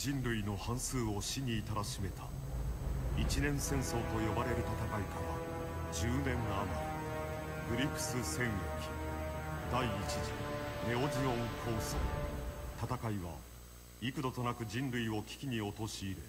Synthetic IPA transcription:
d͡ʑĩnɾɯ̟ino̞hãɰ̃sɨːo̞ɕiɲ̟iːt̪aɾaɕime̞t̪ʰa̰ | it͡ɕinẽ̞sẽ̞ɰ̃so̞ːt̪o̞jo̞baɾe̞ɾɯ̟t̪at̪akaikaβa | d͡ʑɨːnẽ̞ŋːaːmaɾʲi | ɡ̥ɯ̟ɾʲikɯ̟̥sɨsẽ̞ɰjokʲi̥d̪aiːt͡ɕiʑine̞o̞ʑiõ̞ŋkʰo̞ːso̰ːt̪at̪akaiβa | ikɯ̟d̪ot̪o̞nakɯ̟ʑĩnɾɯ̟io̞kʲi̥kʲiɲ̟io̞t̪o̞ɕiːɾɯ̟

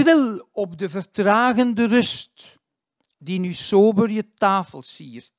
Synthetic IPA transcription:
rɪlɔp̚dəvərtraːɣəndərɵst | dinyːsoːbərjətaːfəlˠsiːr

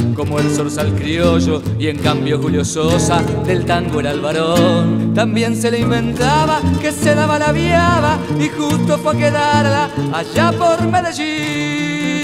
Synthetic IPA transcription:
ko̞moelso̞ɾsalkɾjo̞ʒo̞ | ie̞ŋkambjo̞xuljososa | ðe̞lt̪aŋɡoeɾalβaɾont̪ambje̞nse̞leimbe̞nt̪aβake̞se̞ðaβalaβjaβaixust̪ofwakeðaɾlaːʎapo̞ɾme̞ðeʒi

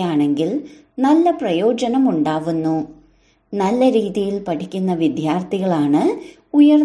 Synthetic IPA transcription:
aːɳe̞ŋɡil | nɐlːɐprɐjo̞ːd͡ʑɐnɐmuɳɖaːʋunːu | nɐlːɐɾiːðijilpɐʈʰikʲːunːɐʋid̪ʱjaːrt̪ʰiɣɐɭaːɳɨ | ujɐr

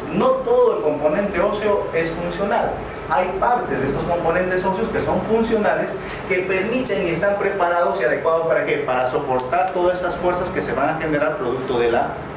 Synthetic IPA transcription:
no̞t̪o̞ðoelko̞mpo̞nẽ̞nt̪eo̞sjoe̞sfunsjo̞nal | ajpaɾt̪ezðest̪osko̞mpo̞nẽ̞nt̪e̞so̞sjo̞ske̞so̞ɱfunsjo̞nales | ke̞pe̞ɾmit̪eŋiest̪ampɾe̞paɾaðosiaðe̞kwað̞ospaɾakepaɾaso̞po̞ɾt̪aɾt̪oðasest̪asfwe̞ɾsaske̞se̞βaŋaxenɡɾaɾpɾoðuk̚t̪oðela

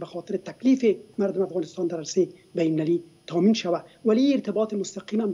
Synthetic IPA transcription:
baxɔt̪ɪɾɪt̪aklifɪmaɾd̪ʊmɪafɣɑnɪst̪ɑnd̪aɾaɾseje | bajnlalit̪ʰaminʃawawaliiɪɾt̪ɪbɑt̪ɪmʊst̪aqimam

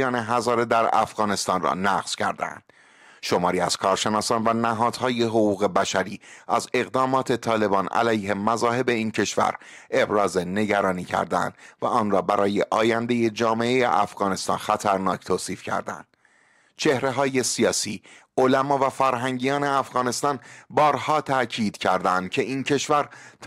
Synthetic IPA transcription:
ɒːneɦæzɒːɾed̪æɾæ̰fɣ̥ɒːne̞st̪ɒnrɒ̰næɣz̥cʰæ̰ɾd̪æ̰nd̪̥ | ʃo̞mɒːɾiːæz̥kʰɒːɾʃe̞nɒːsɒːnvænæɦɒːd̪̥hɒːje̞ɦoɣuːɣe̞bæʃæɾiːʔæze̞ɣd̪ɒːmɒːt̪ʰe̞t̪ʰɒːle̞bɒːnæ̰læjɦe̞mæzɒːɦe̞be̞iːncʰe̞ʃvæ̰ɾʔe̞bɾɒːze̞ne̞ɟæɾɒːniːcʰæ̰ɾd̪æ̰nd̪̥væʔɒːnrɒːbæɾʔɒːje̞ʔɒːjænd̪e̞je̞d͡ʒɒːme̞ʔejḛʔæfɣ̥ɒːne̞st̪ɒ̰ːnxæt̪ʰæɾnɒːct̪ʰoːsiːfcʰæ̰ɾd̪æ̰nd̪̥̚ | t͡ʃʰe̞hɾe̞ɦɒːje̞siɒːsiː | olæmɒːvæfæɾɦæŋɟijɒːne̞æfɣɒːne̞st̪ɒːnbɒːɾhɒːt̪ʰæʔcʰiːd̪̥cʰæɾd̪ænd̪̥̚cʰe̞ʔiːncʰe̞ʃvæɾ

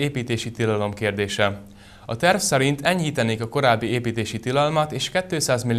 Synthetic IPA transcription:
eːpiːt̪eːʃit̪ilɒlo̞mkeːrd̪eːʃɛ | ɒt̪ɛrfsɛɾint̪ɛɲhiːt̪ɛneːkɒko̞ɾaːbːieːpiːt̪eːʃit̪ilɒlmɒt̪eːʃkɛt̪ːøːsaːzmil

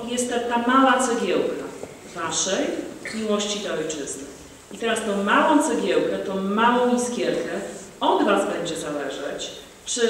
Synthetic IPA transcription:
jɛst̪ːɛt̪amawat̪sɔɡʲjɛwka | vaʂɛjmʲiwɔɕt͡ɕit̪ɛɔjt͡ʂɘznɘ | it̪ɛɾast̪ɔ̃w̃mawɔ̃w̃t̪sɔɡʲjɛwkɛt̪ɔ̃w̃mawɔ̃w̃ʲisɡʲɛɾkɛ | ɔd̪vazbɛɲd͡ʑɛzalɛʐɛt͡ɕ | t͡ʂɘ

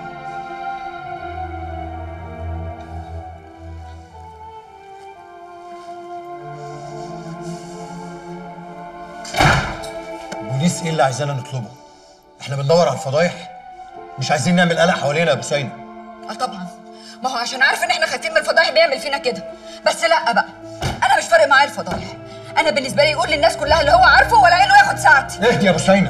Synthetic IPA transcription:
buniːsʔeːlːiʕazæːnænet̪ˤlobo | ʔeħnæbend̪ɑwːɑɾˤʕalfɑd̪ˤɑːjeħ | meʃʕajziːnːeʕmelʔælæʔħawæleːnæjæbosˤæjnæʔæt̪ˤɑbʕɑnmæʕaʃæːnʕaːɾˤefʔenːʔeħnæxæt̪iːnmelfɑd̪ɑːjeħbejeʕmelfiːnæked̪æ | bæsːlæʔːæbæʔæ | ʔænæmeʃfɑɾɑʔmaʕaːelfɑd̪ˤɑːjeħ | ʔænæbenːes̬bæliːjʔuːlːenːæːskolːæhælːihowːæʕɑɾˤfowælːæʔenːoʔæːxod̪saʕt̪ʔehd̪ijæbosˤæjnæ

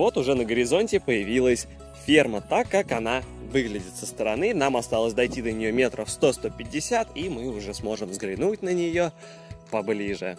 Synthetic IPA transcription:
vo̞t̪ʊʐɛnəɡəɾʲɪzo̞nʲtʲɪpəjɪvʲilˠəsʲ | fʲermət̪akːakɐnavɨɡlʲɪdʲɪt̪səst̪əɾɐn̪ɨn̪amɐst̪alˠəsʲd̪ɐjtʲid̪ənʲɪjo̞mʲe̞t̪ɾʔəfst̪o̞st̪o̞pʲɪdʲːɪsʲat̪imɨʊʐɛsmo̞ʐɨmvzɡɾʲɪnutʲnənʲɪjo̞ | pɐblʲiʐɨ̰

